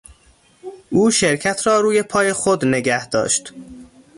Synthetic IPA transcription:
ʔuːʃeɾcʰæt̪ʰrɒːɾuːje̞pʰɒːjexod̪neɡæhd̪ɒ̰ːʃt̪

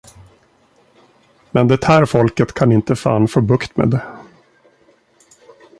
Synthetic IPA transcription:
mɛnd̪ɛt̪hæːɾfɔlkət̪kʰanɪnt̪əfa̰ːnfoːbɵkt̪mḛːd̪ɛ

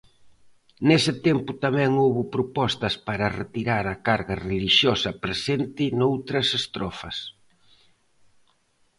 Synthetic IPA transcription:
nesɪt̪ɛmpʊt̪amɛ̃ŋoβʊpɾopɔst̪ɐspaɾɐret̪iɾaɾɐkaɾɣɐreliʃjɔsɐpɾesent̪ɪnowt̪ɾɐsest̪ɾɔfɐs

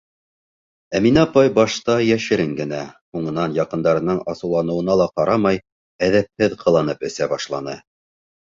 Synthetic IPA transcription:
æminɑpɑjbɑʃt̪ɑjæʃɘ̆ɾɘŋɡɘ̆næhuɴɤ̆nɑnjɑqɤ̆nd̪ɑɾɤ̆nɤɴɑsɤ̆wlˠɑnɤ̆wɤ̆nɑlˠɑqɑɾɑmɑj | æðæp̚hɘðqʰɤ̆lˠɑnɤpɘ̆sæbɑʃlˠɑnɤ

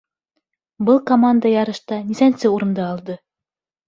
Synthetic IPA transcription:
bɤlˠkomand̪əjɑɾɤ̆ʃt̪ɑnisænsɘuɾɤ̆nd̪ɑːlˠd̪ɤ

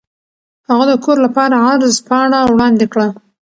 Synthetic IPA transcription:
haɣad̪əkoɾlapɑɾaaɾzpɑɳawɽɑnd̪ekɽa

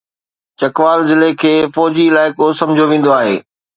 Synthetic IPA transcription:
t͡ɕɐkʋaːlzɪlekʰeːfɔːd͡ʑiɪlaːɪkosɐ̃mɪd͡ʑʱoʋẽːn̆d̪oaːɦḛː

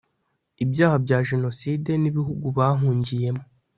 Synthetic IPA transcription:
ibjaːhabɟaːʒe̞no̞siːde̞niβiɦuɡuβaɦuːɲɟije̞mo

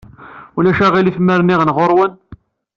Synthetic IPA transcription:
ulæʃæʁilifməɾniʁənʁoɾˤwən

